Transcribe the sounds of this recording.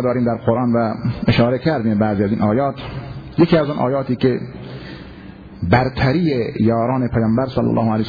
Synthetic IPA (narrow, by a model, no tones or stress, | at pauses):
d̪ɒːɾiːmd̪æɾqʰoɾʔɑːnvæeʃɑːɾekʰæɾd̪iːmbæːziːæziːnʔɒːjɒːt̪ʰjekiːæzunʔɒ̰ːjɒːt̪iːke | bæɾt̪ʰæɾiːejɒːɾɑːnepʰæjɑːmbæɾsɑlːæ̰lːɒ̰ːhoælej